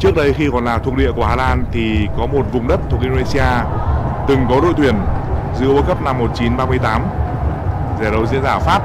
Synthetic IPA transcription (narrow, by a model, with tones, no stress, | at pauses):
t͡ɕɨ˦˥ək̚ɗə˨˧jxi˧kɔ˨˩nlaː˨˩t̪ʰu˨˩ək̚ɗḭ˧˨ku˧˩əhaː˧laː˧nt̪ʰi˨˩kɔ˨˦mo˨˩t̚vʊ˨˩ŋ͡mɗə˦˥t̪ʰu˨˩k̚ʔi˧o˧e˧si˧ʔaː˧t̪ɨ˨˩ŋkɔ˨˦ɗo̰˧˨t̪wi˨˩ənzɨ̰˧˥əwə˨˦kə˦˥p̚na˧mːo˨˩t̚t͡ɕi˨˦nɓaː˧mɨ˧əjt̪aː˨˦m | zɛ˨˧˩ɗə˨wzɨ̰˧˥ənzaː˧˩faː˦˥p̚